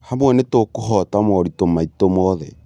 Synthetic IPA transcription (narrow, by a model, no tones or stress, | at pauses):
hamwɛnetokoɦɔtamɔɾitomaitomɔðɛ̰